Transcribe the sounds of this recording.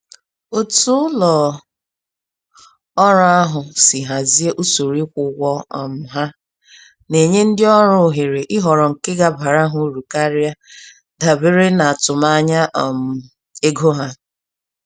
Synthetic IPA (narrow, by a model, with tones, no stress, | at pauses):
o˦tu˦ʊ˦lɔ˨ | ɔ˦ɾa˦ɦʊ˨sɪ˨ɦa˨zi˦e˦ʔu˦so˨ɾi˦kʷʊ˨ɡʷɔ˦ɔ̰˨m̩˨ɦa˦ | ne˨ɲe˦n̩˦dɪ˦ɔ˦ɾʊ˦˨ɦe˨ɾe˨ʔɪ˦ɦɔ˨ɾɔ˨ŋ̩˨kɪ˦ɡa˨ba˨ɾa˦ɦʊ˦ɾu˨ka˦ɾɪ˦a˦ | da˨be˦ɾe˦na˨a˨tʊ˨ma˦ɲa˦ʔɔ˨m̩˨ | e˦ɡo˦ɦa˦